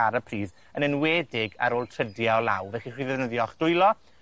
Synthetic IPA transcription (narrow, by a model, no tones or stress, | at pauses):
aɾəpʰriːð | ənənwɛːdɪɡa̰ɾoːlˠtʰrədjaɔlˠa̰wvɛχiχriːðɛvnəðjɔχd̥ʊɨlˠɔ